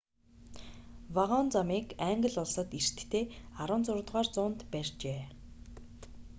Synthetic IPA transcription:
waʁɔːnt͡samiːkæŋɡə̆ɮʊɮsə̆t̪ir̥t̪ːʰeːaɾə̆ːnt͡sʊrt̪ʁaːrt͡sʊːnt̪pærʲt͡ɕeː

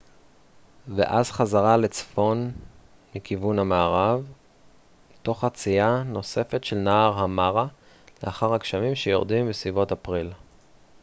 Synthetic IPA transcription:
vḛʔazχazaʁale̞t͡sfo̞n | mikivunhamaːʁav | to̞χat͡siano̞se̞fe̞tʃelnaːʁhamaʁa | leaχaʁakʃamimʃejoʁdimbesvivo̞tapʁil

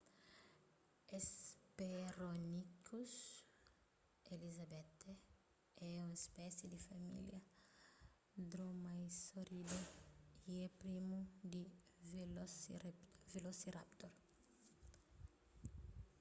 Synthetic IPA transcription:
espeɾonikus | elizabɛt̪e | ɛũespɛsjed̪ifamḭljɐ | d̪ɾomajsoɾid̪oiɛpɾimud̪i | velos | velosiɾa̰pt̪oɾ

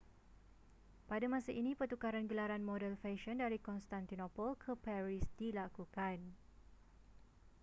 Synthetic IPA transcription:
padamãsaʔinĩpərt̪ukaɾanɡəlaɾanmɔdɛlfɛʃəndaɾikɔnst̪ant̪inopɔlkʰəpɛɾisdilakukan

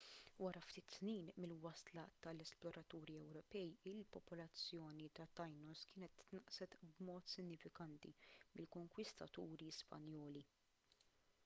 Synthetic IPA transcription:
wɐɾɐft̪ɪːt̪sniːnmɪlwɐslɐt̪ɐlɛsplɔɾɐt̪uːɾiɛwɾɔpɛjɪlpɔpɔlɐt͡sːjɔːnit̪ɐt̪ːɐjnɔskɪːnɛt̪ːnɐʔsɛt̪bmɔːt̪sɪnːɪfɪkɐnt̪imɪlkɔŋkwɪst̪ɐ̰t̪uːɾispɐ̰njɔːli

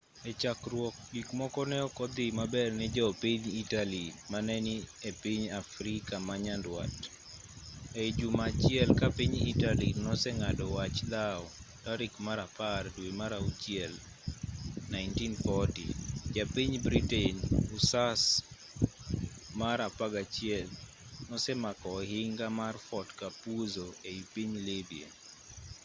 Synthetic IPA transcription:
et͡ʃakrwɔk̚ɡikmɔkɔnɛɔkɔd̪ɪmabɛrnɪd͡ʒɔpiɲitalimanɛniepiɲafɾikamaɲandwa̰t | ed͡ʒumat͡ʃɪɛlkapiɲḭtalinɔsɛŋadɔwat͡ʃlaɔtaɾɪkmaɾapardwemaɾaut͡ʃiɛl | naɪntinfɔtḭd͡ʒapiɲbɾiteɲusas | maɾapaɡat͡ʃɪɛl | nɔsɛmakɔɦɪŋɡamarfɔtkapuzoeipiɲlebiḛ

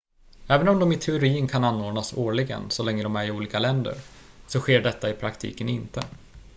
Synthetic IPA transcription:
ɛːvənɔmd̪ɔmɪt̪ʰɛʊɾiːənkʰananːoːɖɳasoːɭɪɡə̰nsɔlɛŋːəd̪ɔmæɾɪuːliːkalɛnd̪ə̰ɾ | sɔɧeːɖɛt̪ːaɪpʰɾakt̪ʰḭːkənɪnt̪ə

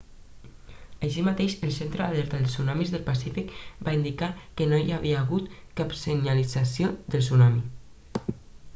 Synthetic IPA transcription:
aʃimat̪eʃəlˠsent̪ɾəalɛɾt̪aðəlsunɔmizðəlˠpasifikbaind̪ikakənojaβiaːɣut̪kapsəɲalid͡zasjod̪əlˠsunɔmi

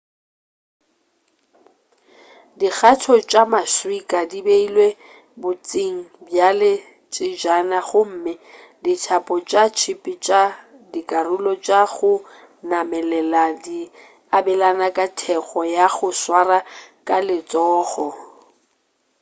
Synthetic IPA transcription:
dik͡xatʰɔt͡ʃʼamaswikʼadibeilwe | bʊt͡sʼiŋ̩bjalɪ | t͡ʃʼɪd͡ʒanaɣʊm̩ːmɪ | ditʰapʼɔt͡ʃʼat͡ʃʰipʼit͡ʃʼa | dikʼarʊlɔt͡ʃʼaɣʊ | namɛlɛladi | abɛlanakʼatʰɛχɔjaɣʊswarakʼalɪt͡sʼɔːχɔ

